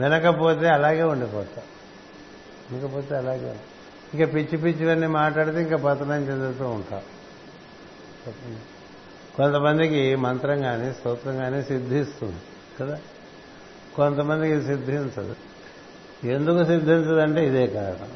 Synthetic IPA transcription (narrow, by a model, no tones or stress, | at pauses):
ʋinɐkɐpo̞ːt̪̬e̞ːɐlaːɡeːuɳɖipɔːt̪a | ʋinɐkɐpo̞ːt̪e̞ːɐlaːɡeːuɳɖ | iŋkaːpit͡ʃːipit͡ʃːiʋɐnːimaːʈlaːɽut̪eːiŋkaːpɐt̪ːɐnɐɲt͡ʃend̪et̪uuɳʈa̰ːu | pɐt̪ɐn | kont̪ɐmɐnd̪ikimɐnt̪ɾɐŋɡaːnist̪oːt̪ɾɐŋɡaːniːsid̪ʱːiːst̪und̪i | kɐd̪aː | ko̞nt̪ɐmɐnd̪ikisid̪ʱint͡ʃɐ̰d̪i | e̞nd̪ukusid̪ʱːiɲt͡ʃɐd̪ɐɳʈe̞ːid̪ɛːkaːɾɐ̰ɳɐ̰m